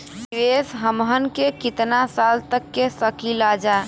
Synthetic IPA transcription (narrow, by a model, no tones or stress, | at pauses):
sʋesɦəmɦənkekɪt̪nasalt̪əkːesəkilad͡ʒaː